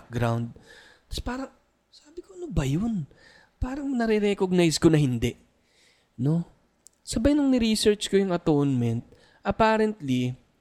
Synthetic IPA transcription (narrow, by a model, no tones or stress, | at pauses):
k̚ɡɾawnd̪̚ | t̪ɐ̥spaːɾɐŋ | saːbɪkoɐnobɐjon | paːɾɐŋnɐɾɛɾɛkoɡ̚najskonɐhɪnd̪ɛ | no̞ | sɐbajnɐŋnɪɾiːsɛɹt͡ʃkojʊŋɐt̪ownmɛnt̪̚ | ʔɐpaːɾɛnt̪li